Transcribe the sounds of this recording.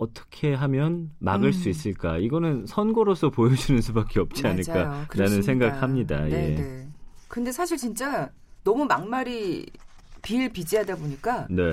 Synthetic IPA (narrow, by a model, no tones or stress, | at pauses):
ʌt͈ʌ̥kʰe̞ɦamjʌnmaɡɯɭs͈uis̬͈ɯɭk͈aiɡʌnɯnsʰʌnɡoɾos͈ʰʌpojʌd͡ʑinɯnsʰubak͈e̞ʌp̚t͡ɕ͈iaɲɯɭk͈aɯnanɯnsʰe̞ŋɡak̚hamɲida̰je̞kɯnde̞sʰaɕʰiɭt͡ɕint͡ɕ͈a | nʌmumaŋmaɾi | piɭpid͡ʑiadaboɲik͈ane̞